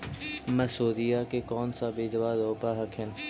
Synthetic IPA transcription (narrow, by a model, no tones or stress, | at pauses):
məsoːd̪ijaːkekɔːnsabeːd͡ʒəʋaːzoːpaɦəkʰɪn